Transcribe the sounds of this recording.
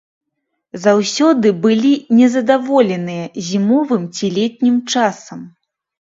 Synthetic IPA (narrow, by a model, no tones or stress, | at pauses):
zawsʲɔd̪ɨbɨlʲinʲɛzɐd̪avɔlʲɛnɨjɐzʲimɔvɨmt͡sʲilʲɛt̚ʲnʲimt͡ʂasɐm